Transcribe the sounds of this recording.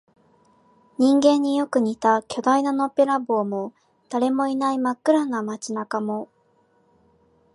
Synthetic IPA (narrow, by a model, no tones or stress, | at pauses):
ɲ̟ĩŋɡẽ̞ɲ̟ːijo̞kɯ̟ɲ̟it̪akʲo̞d̪ainano̞peɾabo̞ːmo̞ | d̪̥aɾe̞mo̞inaimakːɯ̟ɾanamat͡ɕinakamo̞